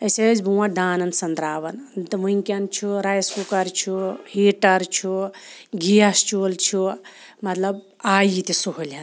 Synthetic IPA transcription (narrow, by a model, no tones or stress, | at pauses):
ɐsed͡ʒbuwãɖ̪aːnɐnsɐnd̪ɾaːʋɐnd̪ʋuŋkʲɐnt͡ʃʰuɾajskukɐɾt͡ʃʰuhiːʈɐɾt͡ʃʰuɡijast͡ʃult͡ʃʰu | mɐt̪lɐb̚ | aːjit̪isuɦolʲɐn